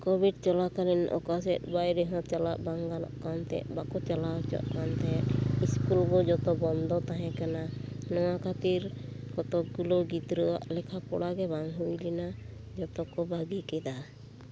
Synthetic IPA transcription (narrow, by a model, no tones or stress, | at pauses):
kɔbiɖ̚t͡ʃɔlakalinʔɔ̰kas̬ɛt̪̚bajɾɛɦɔ̃t͡ʃalaʔbaŋɡalɔ̰ʔkant̪ɛ̰ʔbakɔt͡ʃalaɔt͡ʃɔ̰ʔkant̪ɛʔiskulbɔd͡ʒɔt̪ɔbɔnd̪ɔt̪aɦɛ̃kana | nɔŋakʰat̪iɾkɔt̪ɔɡulɔɡit̪ɾɔwa̰ʔlɛkʰapɔɽaɡɛbaŋɦujlina | d͡ʒɔt̪ɔkɔbaɡikɛd̪a